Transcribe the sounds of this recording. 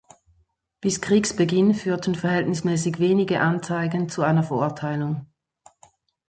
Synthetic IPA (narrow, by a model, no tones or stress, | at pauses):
b̥ɪskʁ̥iːksb̥əɡɪnfyːɐtʰən̩fɛɐhɛltnɪsmɛːsɪçveːnɪɡəʔant͡saɪɡənt͡suaɪnɐfɛɐʊɐtʰaɪlʊŋ